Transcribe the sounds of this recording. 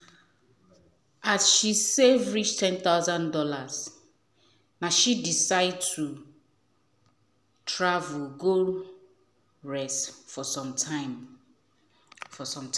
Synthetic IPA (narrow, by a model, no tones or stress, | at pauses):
asʃisevɹit͡ʃtʰɛ̃nθaʊzãndɔlaz | naʃidisaɪd̚tʰu | tʰɹavulɡo | ɹɛstfɔsɔ̃mtʰaɪm | fɔsɔ̃mt